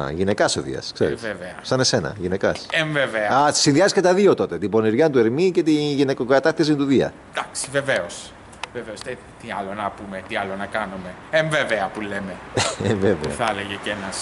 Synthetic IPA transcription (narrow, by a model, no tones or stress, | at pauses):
ʝine̞kɐsoðḭɐ̰sksḛɾisveveɐsɐne̞se̞nɐ̰ʝine̞kɐseɱveveɐɐt̪i̥sinðiɐziscet̪ɐðio̞t̪o̞t̪et̪ibo̞niɾʝɐnt̪̬ueɾmice̞t̪iʝine̞koɡɐt̪ɐt̪is̬int̪uðiɐ̰ | d̪̥ɐksi̥veveos | veveost̪e | t̪iɐlonɐpumet̪iɐlo̞nɐkɐnume̞ | eɱveveɐpulemeeveveɐθɐleʝecenɐs